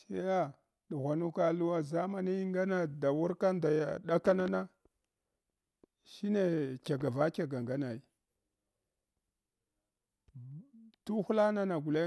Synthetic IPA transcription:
se˦ja˦ | ɗu˨ɣʷa˨nu˦ka˦lu˦wa˦za˦ma˦ni˦ŋɡa˦na˨da˨wu˦ɾka˦n˦da˨ja̰˨ɗa˦ka˦na˦na˦ | ʃi˦ne˦˨kʲa˨ɡa˨va˦kʲa˨ɡa˨ŋɡa˦na˨i˨ | tu˦xu˦la˦na˦na˨ɡu˨le˦

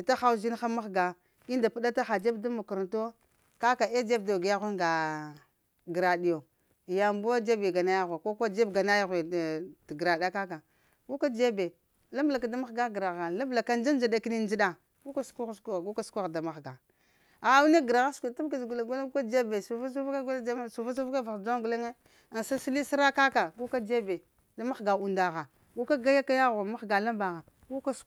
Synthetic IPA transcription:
i˨ta˦xa˦u˦zi˦n˦xa˦ma˦xɡa˨ | i˦nda˨pu˦ɗa˦ta˦xa˨d͡ʒe˦bda˦mu˨ku˨ɾa˨nto˦ | ka˦ka˨e˦d͡ʒe˦b̚do˨ɡi˨ja˦xʷu˦ŋɡa˨ | ɡɾa˨di˨jo˨ | ja˨mbu˦a˦d͡ʒe˦be˨ɡa˨na˦ja˦ɣʷa˨ko˦kʷa˦d͡ʒe˦bɡa˨na˦ja˦ɣe˨tɡɾa˨da˦ka˦ka˨ | ku˦ka˦d͡ʒe˦be˨ | la˦mbla˨ka˨da˦ma˦xɡa˦ɡɾa˨ɣa˨la˦bla˨ka˦n˦d͡ʒa˦n˦d͡ʒa˦da˦ki˦ni˦n˦d͡ʒɗa˨ | ku˦ka˦skʷu˦sku˦˨ɡu˦ka˦su̥˦kʷu˦ɣda˨ma˨xɡa˨ | a˨a˦u˦ne˦ɡɾa˨ɣa˦skʷu˨ta˦bka˦d͡ʒɡu˨la˨ɡʷa˦lu˦ka˦d͡ʒe˦be˨su˨fa˦s̬u˦ka˦ɡla˦su˨fa˦s̬u˦fka˦va˨d͡ʒo˦ŋɡu˨le˦ŋe˦ | a˨n˨sa˦si˦li˦si˦ɾa˦ka˦ka˨ɡu˦ka˦d͡ʒe˦be˨ | da˦ma˦xɡa˨u˨nda˨ɣa˨ | ɡu˦ka˦ɡa˦ja˦ka˦ja˦ɣa˨ma˦xɡa˨la˦mba˨ɣa˨ | ku˦ka˦s

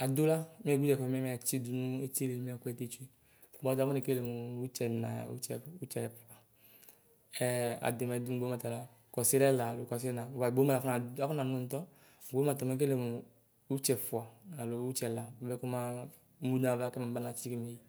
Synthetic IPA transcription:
a˨du˦la˦m˦ɛ˦˨ɡu˦d͡ʒɛ˨km˨˦a˨t͡ʃi˦du˨nu˦e˦t͡ʃe˦le˨m˦˨kɛ˦te˦˨t͡ʃu˦e˦˨ | bɔ˦da˨˦mɔ˦ne˨ke˦le˨mu˨u˦t͡ʃɛ˨na̰˨ja̰˨ṵ˦t͡ʃɛ˨u˦t͡ʃɛ˨ɛ˨fu˨a˨ | ɛ˦a̰˨di˨ma˨du˦m˨ɡ͡bo˦ma˨ta˨la˦˨kɔ˨si˦ɾɛ˦la˨lo˨kɔ˨s̬i˦ɛ˦na˨ba˨ɡ͡bo˦ma˦˨a˨ɔ˦na˨a˦fɔ˦na˨nu˦n̩˨tɔ˦˨ | ɡ͡bma˨ta˨m˨e˨k̬e˦le˨mu˨ | u˦t͡ʃɛ˨fu˨a˨a˨lo˨u˦t͡ʃɛ˨la˨bɛ˦ku˦ma˦ | mu˦na˨va˦kɛ˦ma˨ba˦na˨t͡ʃi˦ki˦me˨i˦

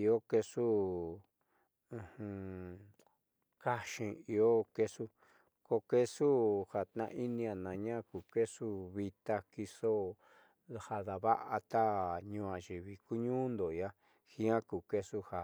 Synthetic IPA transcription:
i˧o˦ke˧su˦ | ũ˧hũ˧ | ka˦ʃĩ˧˨i˧o˦ke˧su˦ | ko˧ke˦su˦ha˨t̪nã̰˧˦ʔi˦nĩ˧a˨nã˨ɲã˦˨ku˨ke˦su˦βi˧t̪a˧ki˧so˦ | ha˧ða˨βa˦ʔa˧t̪a˦ɲũ˧ã˨ʒi˨βi˨ku˦ɲũː˦nd̪o˨ja˦ | hĩ˦ã˦ku˨ke˦su˦ha˨

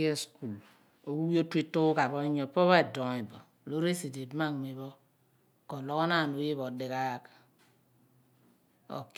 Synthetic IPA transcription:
e˦sku˨l | o˨wu˦wi˦o˦tʷi˦tːu˦ka˨bɔ˦i˦ɲɔ˨pɔ˦βa˦e˨dɔ˨i˨bɔ˨ | lo˦ɾe˦si˨de˨˦ma˦˨ŋ˨mi˨βɔ˦ | kɔ˨lɔ˦kɔ˦na˦˨no˨˦i˦βɔ˨dɪ˨ka˦˨k | o̰˨k

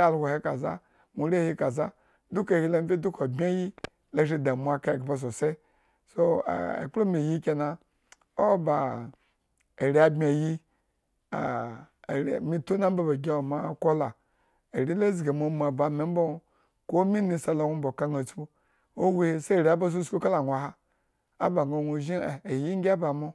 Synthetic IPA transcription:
a˨lho˨he˦ka˨za̰˦ | mu˨ɾe˦˨hi˦ka˨za˦ | du˦ka˨hi˦la˦m˦fʲe˦du˦ko˨bʲe˦ji˦ | la˦ʃi˦˨da˨mʷ˨a˦ka˦˨ɡa˨ba˨s̬o˨se˦ | so˦a̰˨ḛ˨k͡plo˦mi˨ji˦kʲe˨na˨ | o˦ba˨ | e˨ɾʲi˨˦a˨bmʲe˨ji˦ | a̰˨ | ɾmi˦to˦na˦m˦ba˦ba˨ɡʲe˦o˨ma˦˨ko˦la˨ | e˨ɾi˦la˦zɡe˨mo˨˦m˨a˨ba˨me˨˦m˦bo˦ | ko˦mi˦ni˨sa˨lo˨ŋʷu˦m̩˦bo˨ka˦ŋa˨t͡sbu˦ | o˦we˦˨se˦˨ɾi˨a˦ba˦s̬o˦sku˦ka˦la˨ŋʷ˨a˨ɦa˦ | a̰˦ba˨ŋo˨nʷo˨ʒi˦˨e˨ji˦ŋ˦ɡʲa˦ba˨mo˦

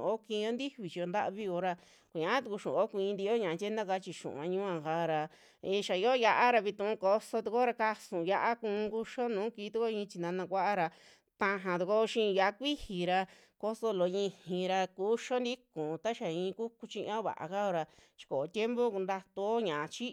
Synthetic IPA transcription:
o˦kĩ˧o˦nd̪i˦βi˨t͡ʃi˧o˧nd̪a˦ʔβi˦o˧ɾa˧ | kʷu˨ɲã˨˧˦t̪u˧ku˧ʃṵ̃˨o˦kʷĩ˧nd̪i˧˦o˦ɲã˨˧t͡ʃʲe˦nã˦ka˧˦t͡ʃi˧ʃṵ̃˨ã˧ɲũ˦ã˧˨ka˧˦ɾa˧ | i˧ʃa˨i˧o˦ja˧ʔa˦ɾa˧βi˧t̪ũ˧ũ˧ko˧so˧t̪u˧ko˦ɾa˧ka˧sũ˨ja˧ʔa˦kũ˧ku˧ʃo˦nũː˨˦ki˧˦t̪u˧ko˦ĩ˧t͡ʃi˧nã˧nã˧kʷa˦ʔa˦ɾa˧ | t̪ã˧ɦã˨t̪u˨˧ko˦˧ʃĩ˦˧ja˧ʔa˦˧kʷi˦hi˨ɾa˧ | ko˧so˧lo˧ĩ˧hĩ˧ɾa˧ku˦ʃo˦nd̪i˦kũ˨˧t̪a˦ʃa˨ĩ˧ku˦ku˧t͡ʃĩ˧ʔã˦βa̰˨a̰˨ka˦o˧ɾa˧ | t͡ʃi̥˧ko˨˧t̪ʲje˦mbo˦ku˧nd̪a˧t̪u˧o˦ɲã˨˧t͡ʃi˦

